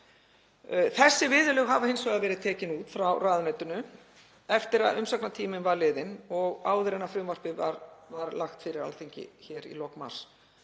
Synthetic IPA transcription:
θɛsːɪvɪːðʏlœɣɦavahejnsvɛɣaðvɛːɾɪðt̪ʰɛːcɪnuːt̪fɾawraːðʏnœt̪ʏnʏ | ɛft̪ɪɾa̰ðʏmsaknat̪ʰiːmɪnvaɾlɪːðɪnɔɣaːwðɪɾɛnafɾʏmvar̥pɪvaɾvaɾlaxt̪fɪɾɪɾa̰lθeɲcɪ̰çɛɾḭlɔkma̰r̥s

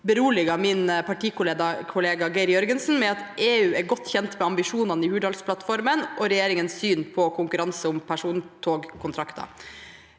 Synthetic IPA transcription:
bəɾuːlɪɡɑːmɪnpʰɑʈiːkʊleːd̪ɑkʰʊleːɡɑɡæɪɾɪjœɾɡənsn̩mɛɑt̪ʔeːʉːæɾɡɔt̪ːçɛnt̪mɛɑmbɪʂuːnɑnəɪhʉːɖɑlspʰlɑt̪fɔɾmənʔɔɾɛjeːɾɪŋənssyːnpʰɔkʰʊŋkʉɾɑnsəʊmpʰæʂuːnt̪ʰoːɡkʰʊnt̪ʰɾɑkt̪ɑ̰

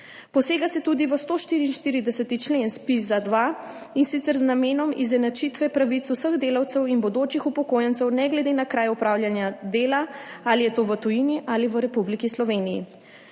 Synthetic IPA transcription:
pɔseːɡasɛt̪uːd̪iʋəst̪oʃt̪iɾiːnʃt̪iːɾid̪ɛsɛt̪it͡ʃlenspizad̪ʋa | insit̪ɛɾznameːnɔmizɛnat͡ʃit̪ʋɛpɾaʋit̪susəɣd̪eːlawt̪sɛwinbɔd̪oːt͡ʃixupɔkoːjɛnt̪sɛwnɛɡlɛd̪enakɾaːjupɾaːwlʲjanjad̪eːlaalijɛt̪oːʋət̪ujiniʔaːliʋəɾɛpublikislɔʋeːnijḭ

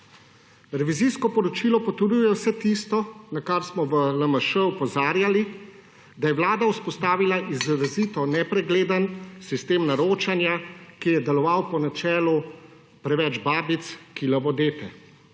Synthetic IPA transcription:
ɾɛʋiziskɔpɔɾɔt͡ʃiːlɔpɔt̪ɔɾujɛwsɛt̪ist̪ɔnakaɾsmɔʋələməʃəupɔzaːɾjali | d̪ajɛʋwlaːd̪auspɔst̪aːʋilaʔizɾaziːt̪ɔnɛpɾɛɡleːd̪ənsist̪eːmnaɾoːt͡ʃanjakijɛd̪ɛlɔʋawpɔnat͡ʃɛːlu | pɾɛʋɛd͡ʒbaːbit̪skilɐʋɔd̪eːt̪ɛ

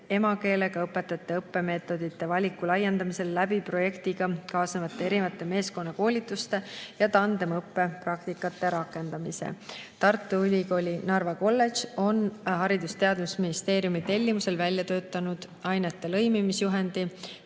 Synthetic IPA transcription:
e̞mɑke̞ːle̞ɡ̥ɑɤpːˑe̞t̪ːˑɑt̪ːeɤpːe̞me̞ːt̪ːˑo̞d̪̥it̪ːe̞vɑlʲikːˑulɑjːend̪ɑmise̞lːæb̥ipro̞je̞kt̪iɡ̥ɑkɑːsnevɑt̪ːˑee̞ɾivɑt̪ˑːe̞me̞ːsko̞nːɑko̞ːlʲit̪ːˑust̪e̞jɑt̪ɑnd̪e̞mɤpːe̞prɑk̚t̪ikːˑɑt̪ːe̞ɾɑkːˑe̞nd̪̥ɑmisḛt̪ɑrt̪ːˑuylʲiko̞ːlʲinɑrvɑko̞lːe̞ʒo̞nɦɑɾid̪̥ust̪e̞ɑd̪musminist̪e̞ːɾjumit̪e̞lʲːimuse̞lvælʲjɑt̪ø̞ːt̪ːˑɑnud̪̥ | ɑjnet̪ːe̞lɤ̞jmimisjuɦe̞nd̪̥i

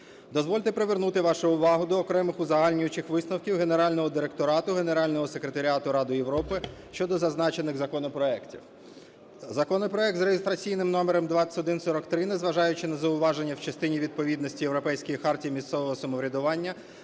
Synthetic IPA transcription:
d̪ɔzʋɔlʲt̪epɾeʋernut̪ɪʋɑʃʊʊʋɑɦʊd̪ɔːkɾɛmɪxʊzɐɦɑlʲnʲʊjʊt͡ʃɪxʋɪsnɔwkʲiwɦe̞ne̞ɾɑlʲnɔɦɔd̪ɪɾe̞k̚t̪ɔɾɑt̪ʊɦe̞neɾɑlʲnɔɦɔsekɾet̪ɐɾʲiat̪ʊɾɑd̪ʊjeʋɾɔpɪʃt͡ʃɔd̪ɔzɐznɑt͡ʃe̞nɪɣzɐkɔnɔpɾɔɛktʲḭw | zɐkɔnɔpɾɔɛk̚t̪zɾeɦest̪ɾɐt͡sʲijnɪmnɔmeɾɛmd̪ʋɑsʲɪ̥tɔd̪ɪnsɔɾɔkt̪ɾɪnezʋɐʒɑjʊt͡ʃɪnɐzɐʊʋɑʒenʲːɐwt͡ʃɐst̪ɪnʲiʋʲid̪̚pɔʋʲid̪nɔsʲtʲijewɾɔpɛjsʲkɔjixɑrtʲijimʲist̪sɛʋɔɦɔsɐmɔʋɾʲɐd̪ʊʋɑnʲːɐ

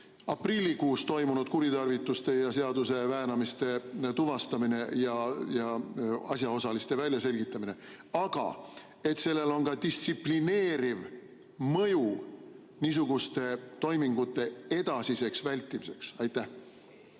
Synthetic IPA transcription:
ɑprilʲːikuːst̪o̞jmunud̪̥̚kuɾit̪ɑrvit̪ːˑust̪e̞jɑse̞ɑd̪use̞væːnɑmist̪e̞t̪uvɑst̪ɑmine̞jɑjɑɑ̰sʲjɑo̞sɑlist̪e̞vælʲjɑse̞lʲɡit̪ːˑɑmine̞ | ɑɡ̥ɑ̰ | e̞t̪se̞lːe̞lo̞nkɑd̪̥ist̪sipline̞ːɾiv | mɤju | niːs̬uɡ̥ust̪e̞t̪o̞jmiŋɡ̥ut̪ːˑe̞e̞d̪ɑsise̞ksvælʲt̪ːˑimise̞ksɑjt̪ːˑæh

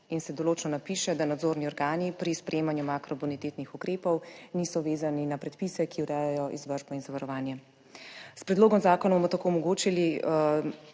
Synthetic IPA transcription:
insɛd̪oloːt͡ʃnɔnapiʃɛd̪anad̪zoːɾniɔɾɡaːnipɾispɾɛjeːmanjumakɾɔbunit̪eːt̪nixukɾeːpɔwniːsɔʋeːzaninapɾɛt̪pisɛkiuɾɛːjajɔʔḭzʋəɾʒbɔinzaʋaɾɔʋaːnjɛ | spɾɛd̪loːɡɔmzaːkɔnabomɔt̪akoːɔmɔɡoːt͡ʃili

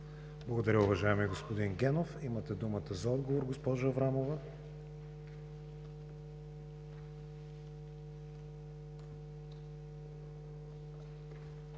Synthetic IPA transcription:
blˠɐɡod̪ɐɾʲəʊvɐʒaɛmiɛɡospod̪inɡʲɛnofimət̪ɛd̪umət̪əzɐɔd̪ɡovoɾɡospɔʒəvɾamovə

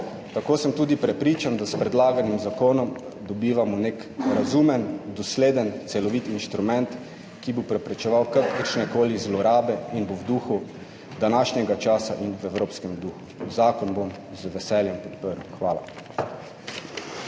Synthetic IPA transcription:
t̪akoːsəmt̪uːd̪ipɾɛpɾiːt͡ʃand̪aspɾɛd̪laːɡanimzakoːnɔm | d̪ɔbiːʋamɔnekɾazumɛnd̪ɔsleːd̪ənt̪sɛlɔʋit̪inʃt̪ɾumɛnt̪ | kibopɾɛpɾɛt͡ʃɛʋawkakəɾʃnɛkoːlizlɔɾaːbɛinbowd̪uːxu | d̪anaːʃnjɛɡat͡ʃaːsaʔinwɛwɾoːpskɛmd̪uːxuzaːkɔnbom | zʋɛsɛljɛmpɔt̪pəɾwxʋaːla̰

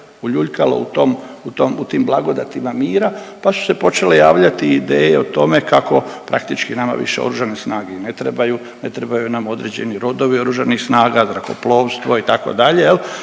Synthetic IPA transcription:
uʎuʎkalo̰ut̪o̞mut̪omut̪iːmblˠaɡo̞d̪at̪imamiːɾapasu̥se̞po̞t͡ʃe̞le̞jaːʋʎat̪iːd̪eːjeot̪o̞me̞kako̞pɾa̰kt̪it͡ʃkinama̰ʋḭʃe̞o̞̰ɾuʒanesnaːɡenet̪ɾebaju | ne̞t̪ɾebajunamo̞d̪ɾe̞d͡ʑe̞niɾo̞d̪o̞ʋio̞ɾuʒanixsnaːɡazɾako̞̰plo̞ːʋst̪ʋo̞it̪ako̞̰d̪aʎe̞jel

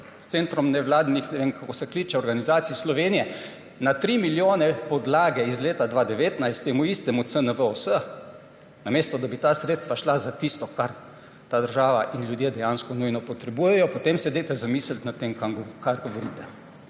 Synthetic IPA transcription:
st̪sent̪ɾɔmnɛʋlaːd̪nixnɛʋeŋkakoːsɛkliːt͡ʃɛɔɾɡanizaːt̪siislɔʋeːnijɛ | nat̪ɾiːmiljoːnɛpɔd̪laːɡɛizleːt̪ad̪ʋaːd̪ɛʋeːt̪najst̪ːeːmuist̪ɛmut̪sənəʋəosə | nameːst̪ɔd̪abit̪aːsɾeːt̪st̪ʋaʃlazat̪ist̪ɔkaɾ | t̪aːd̪əɾʒaːʋaʔinlʲjud̪jed̪ɛjaːnskɔnujnɔpɔt̪ɾɛbuːjɛjɔpot̪emsɛd̪et̪ɛzamiːslt̪nat̪ːemkamɡkaɾɡɔʋɔɾiːt̪ɛ

